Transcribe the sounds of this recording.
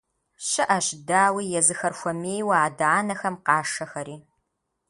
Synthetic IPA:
ɕɐʔɐɕdaːwiːjɛzɨxɐrxʷɔmeːjwaːdaːnɐxɐmqɑːʂɐxɐɾiː

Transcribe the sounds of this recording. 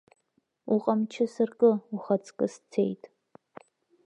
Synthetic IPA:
uqʼɐmt͡ʃʰɪsɨrkʼɨuχɐt͡sʰʼkʼɨst͡sʰḛjtʰʼ

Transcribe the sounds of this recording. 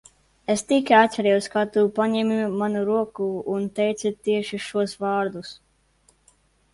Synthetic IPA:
est̪ikʲaat̪̚ʲt͡ʃɛɾɛjuskat̪uːpaɲɛmimanuɾuɔkuːnt̪ɛjt̪sut̪iɛʃiʃuɔsvɑːɾd̪us

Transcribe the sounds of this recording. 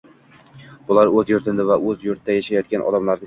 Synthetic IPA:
b̥ʊlˠaɾɵzjʊɾt̪ʰɪnd̪avaʔɵzjʊɾt̪ʰd̪ajaʃajɒt̪̚kʲanʔɒ̰d̪amlaɾɡ̪ʲɪ

